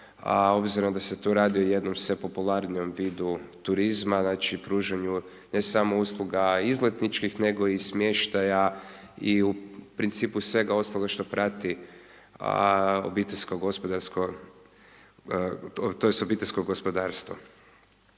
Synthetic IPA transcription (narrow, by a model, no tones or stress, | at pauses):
o̞bziɾomd̪ase̞t̪uːɾaːd̪ioje̞d̪nomsepo̞pulˠaɾnio̞mʋiːd̪ut̪uɾizmaznaːt͡ʃipɾuːʒaɲu | ne̞samo̞uslˠuɡaizlet̪nit͡ʃkixne̞ɡo̞ismje̞ʃt̪aja | iupɾint̪siːpusʋe̞ɡao̞st̪loɡaʃt̪opɾat̪ḭ | o̰biːt̪eʎʲskoɡo̞spod̪aʎʲsko | t̪ojest̪obiːt̪esko̞ɡo̞spod̪aːɾst̪ʋo̰